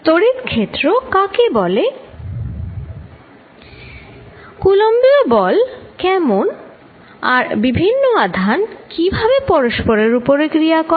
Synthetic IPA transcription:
t̪oɽit̪kʰet̪ːɾokakebɔle | kulombiobɔlkɛmon | aɾbibʱinːoad̪ʱankibʱabepɔɾoʃpoɾeɾupoɾekɾiakɔ

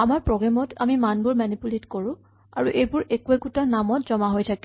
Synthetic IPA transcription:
amaɹpɹɔɡɹamɔtʰa̰mimanbʊɹmanipuletkoɹʊ̃ | a̰ɹuʔejbʊɹʔekuɛkutanamɔtzɔmaɦojtʰakɛ

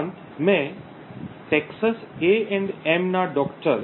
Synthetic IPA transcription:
n | mẽ | ʈeksəseɛ̃ɳɖemnaɖɔkʈəɾ

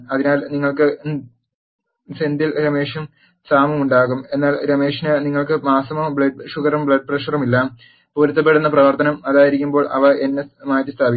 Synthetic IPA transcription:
ɐðinaːlniŋːɐɭkɨ | send̪ilɾɐme̞ːʂum | saːmɐmuɳɖaːɣume̞nːaːlɾɐme̞ːʂinɨniŋːɐɭkɨmaːsɐmɐmbɭɐɖ̚ʂuɣɐɾɐmbɭɐɖ̚prɐʂɐrɐmilːaːm | poːɾut̪ːɐpːe̞ɽunːɐprɐʋɐrt̪ɐnɐmɐðaːjiɾikʲːumbo̞ːɭʔɐ̰ʋɐʔe̞nːemaːjɐtːɨst̪ʰaːbi

